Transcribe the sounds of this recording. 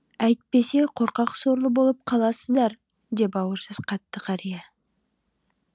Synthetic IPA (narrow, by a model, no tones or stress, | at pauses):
æjt̪̚pe̞se̞qʰo̞ɾqɑqso̞ɾlˠəbo̞lˠəp̚qʰɑlˠɑsəzd̪ɑɾ | d̪e̞p̬ɑwəɾsəz̥qʰɑt̪ːəqʰɑɾije